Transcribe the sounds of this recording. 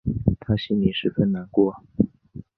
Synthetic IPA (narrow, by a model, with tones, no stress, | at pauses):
t̪ʰa˥ɕi˥nli˨˩ʂɻ̩˥˧fə˥˩nna˨˧˥nkwɔ˥˩